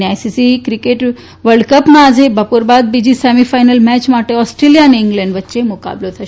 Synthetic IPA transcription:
najsisikɾikeʈ | ʋəɾɖkəpmãːd͡zʱebəpuɾbad̪̚bid͡ʑisɛmifajnəlmɛt͡ɕmaʈeɔsʈɾelijaːneiŋɡlɛɳɖʋət̪ːɕemuka̰blot̪ʰə

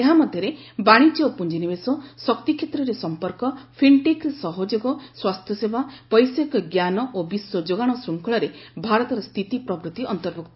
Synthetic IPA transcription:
eɦamɔd̪ʱjɔɾebaɽ̃it͡ʃɔpuɲd͡ʒinibesɔsɔkt̪ikʰjet̪ɾɔɾesɔmpɔɾkɔpʰiɳʈeksɔɦod͡ʒoɡɔswast̪ʰjɔsebapɔjsekɡjanɔʔobiswɔd͡ʒoɡaɽ̃ɔsɾuŋkʰɔɭɔɾebʱaɾɔt̪ɔɾɔst̪ʰit̪ipɾɔbɾut̪iʔɔnt̪ɔɾbʱuk̚t̪

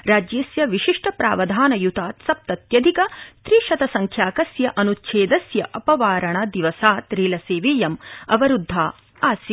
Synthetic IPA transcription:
ɾaːd͡ʒjeːsjɐʋiʃiʂʈɐpɾaːʋɐd̪ʱaːnɐjut̪aːt̪sɐp̚t̪ɐt̪jɐd̪ʱikɐt̪ɾiːʃɐt̪ɐsɐŋkʰjaːkɐsjɐʔɐnutt͡ʃʰeːd̪ɐsjɐʔɐpɐʋaːɾɐɳɐd̪iʋɐsaːt̪ɾiːlɐseːʋiːjɐmɐʋɐɾud̪ʱːaː | aːs

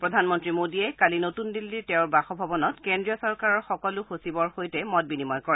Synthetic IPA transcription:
pɹɔdʱanmɔntɹimodiɛkalinotundilːitɛʊɹbaxɔbʱɔbɔnɔtkɛndɹijɔsɔɹkaɹɔɹxɔkɔlʊxosibɔɹxojtɛmɔt̚binimɔjkɔɹɛ

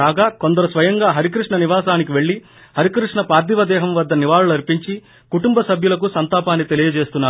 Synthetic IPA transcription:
aːɡaːko̞nd̪ɐɾusʋɐjɐŋɡaːɦɐɾikɾiʂɳɐniʋaːsaːnik̬iʋe̞ɭːi | hɐɾikɾiʂɳɐpaːɾd̪iʋɐd̪ɛːɦɐmʋɐd̪ːɐniʋaːɭulɐɾipiɲt͡ʃi | kuʈumbɐsɐbʱjulɐk̬usɐnt̪aːpaːnːit̪e̞lijɐd͡ʒe̞ːst̪unːaː

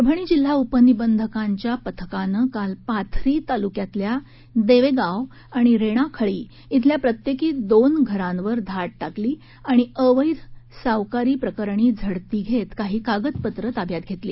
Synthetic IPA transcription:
ɾəbʱəɳ̃iːd͡ʑil̤ːaupənibənd̪ʱəkaɲt͡ɕjapət̪ʰə̥kanəkalpat̪ʰɾiːt̪alukjat̪lja | d̪eʋeɡaʋ | aɽ̃iɾeɽ̃akʰəɭiː | t̪ʰljapɾət̪jekiːd̪onɡʱəɾãnʋəɾd̪ʱaʈ̚ʈakliː | aɽ̃iəʋəjd̪saʋkaɾiːpɾəkəɾɳ̃iːd͡zʱəɽt̪iːɡʱet̪kaɦiːkaɡət̪pət̪ɾət̪abʱjat̪̚ɡʱet̪liː

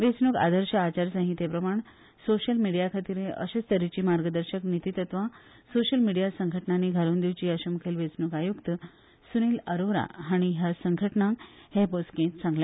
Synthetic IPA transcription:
ʋet͡snuːka̰d̪əɾɕəat͡ɕaɾsaɦĩt̪epɾəmaɳ̃ | soɕəlmiɽijakʰat̪iɾẽʔəɕest̪əɾit͡ɕiːmaɾɡəd̪əɾɕəknit̪it̪ət̪ʋã | soɕəlmiɽijasəŋɡʱəʈnaniɡʱaɾuːnd̪iʋt͡ɕiːəɕəmukʰelʋet͡snukajukt̪ə | suniːləɾoɾa̰ɦaɽ̃iɦjasəŋɡʱəʈnãŋkheposkẽt̪t͡sãŋɡle

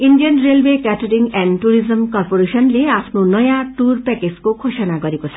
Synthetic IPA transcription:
inɖijʌnɾelwekɛʈoɾiŋɡɛnɖʈuɾizəmkɔɾpoɾeʃɔnleapʰnonʌjaʈuɾpɛked͡zkokʰoʃɔnakɔɾikot͡sʰɔ̥

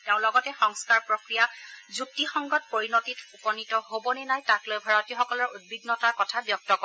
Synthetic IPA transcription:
teʊ̃lɔɡɔtɛxɔŋskaɹpɹokɹijazuk̚tixɔŋɡɔt̚poɹinotitupɔnitɔhobɔnɛnajtaklojbʱaɹɔtiɔxɔkɔlɔɹud̚biɡnɔtaɹkɔtʰabjɔk̚tɔkɔ

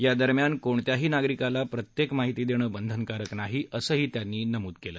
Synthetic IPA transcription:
jad̪əɾmjankoɳt̪jaɦiːnaɡɾikalapɾət̪jekmaɦit̪iːd̪eɽ̃əːbənd̪ʱənkaɾəknaɦiəsəːɦiːt̪janːiːnəmuːt̪kelə̰ː

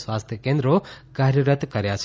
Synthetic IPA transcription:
swaːst̪ʰjəkẽːnd̪ɾoɡaɦɾjəɾət̪kɐɾjat͡ʃʰ

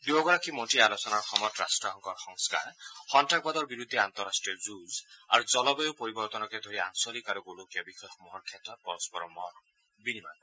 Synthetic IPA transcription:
d̪uɔɡɔɾakʰimɔʈialosɔnaɾxɔmɔt̪ɾa̰sʈɾɔɦɔŋkɔɾxɔŋska̰ɾhɔnʈʰak̚bad̪ɔɾbiɾud̪ʱːiant̪ɔɾasʈɾiɔzuza̰ɾud͡ʒɔlɔbeopoɾibɔɾt̪ɔnɔked̪ʱoɾiaŋsɔlikaɾɔɡolokijɔbixɔxmɔɦɔɾkʰjat̪ɔpɔɾɔspɔɾɔmɔɾ | binima̰n

